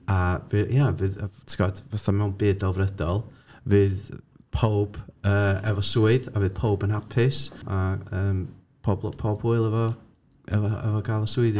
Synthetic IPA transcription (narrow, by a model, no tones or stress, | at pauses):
avɨjavɨðtʰɡ̥advaθamɛwnbɪːdɔvrədɔlˠvɨːð | pʰowb̥əːɛvɔsuɨðavɨːð̥pʰowbənapʰɪsaəːm | pʰɔbpʰɔːbhʊɨlˠɛvɔ | ɛvɔɛ̰vɔɡaːlˠɔsuɨð